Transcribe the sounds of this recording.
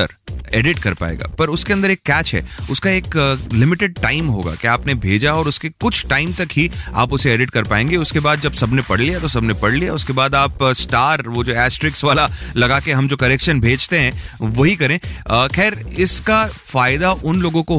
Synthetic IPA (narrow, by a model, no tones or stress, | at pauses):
ə̰ɾḛːɖɪʈkɐɾpa̰ːḛːɡa̰ːpɐɾʊskeɐ̃nd̪əɾeːkːɛːt͡ʃɦɛ̰ːʊskaeːklɪmɪʈɪɖ̚ʈaːɪmɦo̰ːɡa̰ːkeaːpnebʱeːd͡ʒaɔːɾʊskekʊt͡ʃʰʈaːɪmt̪ɐkɦia̰ːpʊseeːɖɪʈkɐɾpaːẽːŋɡeʊskebaːd̪̚d͡ʒɐbsɐbnepɐɽlijat̪osɐbnepɐɽlijaʊskebaːd̪aːpsʈaːɾʋod͡ʒoːɛːsʈɾɪksʋaːlalɐɡaːkeɦɐmd͡ʒoːkɐɾekʃənbʱeːd͡ʒt̪eɦɛ̃ːʋoɦikɐɾẽːəxɛːɾɪskafaːɪd̪aʔʊnloːɡõko